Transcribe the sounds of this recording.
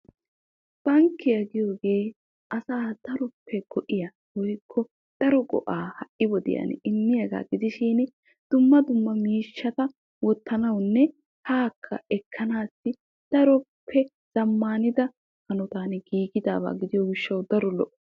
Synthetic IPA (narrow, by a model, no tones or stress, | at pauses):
b̥ɐŋkːɪjɐɡɪjoːɡeː | ʔɐsaːd̪̥ɐɾɔpʰːɛɡ̥ɔʔɪjɐ | wɔjkʰːɔ | d̪̥ɐɾɔɡɔ̰ʔaːhɐʔɪwɔd̪ɪ̰jɐ̰nɪmːɪjɐɡa̰ːɡɪd̪ɪʃiːn | d̪̥ʊmːɐd̪ʊmːɐmiːʃːɐt̪ɐ | wɔt̪ːɐnɐwnːɛ | haːkʰːɐɛkʰːɐnaːsːɪ | d̪̥ɐɾɔpʰːɛ | z̥ɐmːaːnɪd̪ɐ | hɐnɔt̪aːnɡiːɡɪd̪aːba̰ːɡɪd̪ɪjɔɡɪʃːɐwd̪ɐɾɔlɔʔɔ